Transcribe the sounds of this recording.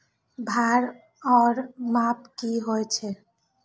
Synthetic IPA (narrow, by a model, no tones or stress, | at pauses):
bʱaɾ | ɔɾmapkiɦoet͡ɕʰe